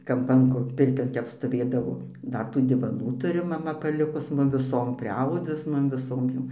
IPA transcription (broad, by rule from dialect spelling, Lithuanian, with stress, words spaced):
ˈkɐmpɐn kʊr ˈpʲɪrʲkʲoːn ˈtʲɛp stoːˈʋʲeːdɐʋoː ˈdɐr tuː dʲɪʋɐˈnuː ˈtʊrʲɪ mɐˈmɐ pɐˈlʲɪkʊs ˈmʊm ʋʲɪˈsoːm pʲrʲɪˈɐʊdʊs ˈmʊm ʋʲɪˈsoːm jɛʊ